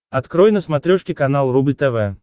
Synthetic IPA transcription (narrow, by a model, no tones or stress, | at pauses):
ɐt̪kɾɔjnəsmat̪ɾʲɔʂkʲɪkanalˠrublʲt̪ɛvɛ